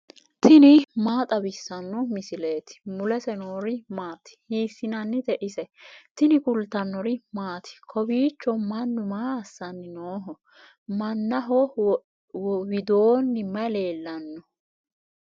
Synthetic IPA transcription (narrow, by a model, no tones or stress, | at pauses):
t̪ʰɪnɪmaːt̪ʼɐbɪsːɐnːɔmɪsɪle̞ːt̪ɪ̥mʊlɛsɛnoːɾɪmaːt̪ɪ̥hiːsːɪnɐnːɪt̪ɛʔɪsɛt̪ɪnɪkʊlt̪ɐnːɔɾɪmaːt̪ʰɪ̥kʰɔbiːt͡ʃːɔmɐnːʊmaːɐsːɐnːɪnoːɦɔ | mɐnːɐɦɔ | wɪd̪oːnːɪmɐle̞ːlːɐnːɔ